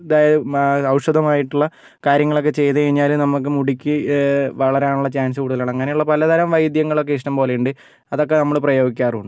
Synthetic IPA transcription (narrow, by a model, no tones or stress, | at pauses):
ɐd̪aːjɐðɨɐwʂɐd̪ɐmaːjiʈːuɭːɐ | kaːɾjɐŋːɐɭo̞k̬ːe̞t͡ɕe̞jt̪ɐɐɻiɲːaːlumnɐmːuk̬ːɨmuɽikʲːɨʋɐɭɐɾeaːɳuɭːɐt͡ɕaːnsɨkuːɽuðɐlaːɳeŋːɐneuɭːɐpɐlɐd̪ʱɐɾɐmʋɐjd̪jɐŋːɐɭokːeiʂʈɐmpo̞ːlejuɳɖɨ | ɐðo̞kːe̞nɐmːɐɭprɐjo̞ːɡikʲːaːruɳːɨ